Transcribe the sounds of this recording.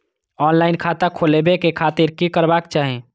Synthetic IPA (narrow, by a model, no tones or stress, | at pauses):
ɔːnlaːɪnkʰaːt̪akʰolebekekʰaːt̪ɪɾkikəɾbaːkt͡ʃaːɦẽ